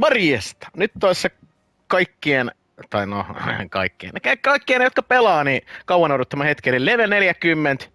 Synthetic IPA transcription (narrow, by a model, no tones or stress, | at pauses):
ʋɑrjest̪ɑ̥nyt̪t̪oɑˑsːɑ | kɑikːien | t̪ɑinokɑ̰ikːiḛnekækɑikːienːejot̪kɑpelɑːnikɑwɑnourɾot̪ːɑmɑhet̪kelilleʋelneljækymːent̪